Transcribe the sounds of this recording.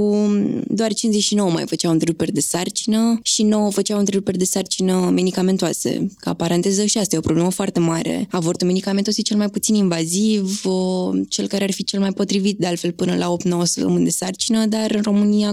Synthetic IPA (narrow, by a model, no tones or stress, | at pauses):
ud̪oart͡ʃinzeʃino̞wəma̰jfət͡ʃawɨnt̪ɾeɾupe̞rd̪e̞sart͡ʃinəʃino̞wəfət͡ʃawɨnt̪ɾeluperd̪e̞sart͡ʃinəme̞d̪ikame̞nt̪oasḛka̰paɾant̪ezəʃiast̪ajeopɾoble̞məfoart̪e̞maɾe̞̰avort̪ume̞d̪ikament̪oaset͡ʃe̞lmajput̪sininvaziv | t͡ʃe̞lkaɾearfit͡ʃe̞lmajpo̞t̪ɾivit̪̚d̪e̞alt̪fe̞lpɨnəlʔao̞p̚t̪no̞wəsəpt̪ə̰mɨnd̪e̞sart͡ʃinəd̪arɨnro̞mɨnia